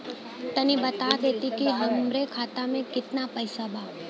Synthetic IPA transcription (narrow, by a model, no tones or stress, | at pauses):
t̪ɐnĩbɐt̪ad̪eːt̪ikiɦɐmɾekʰaːt̪amẽkɪt̪napəɪsabʱaː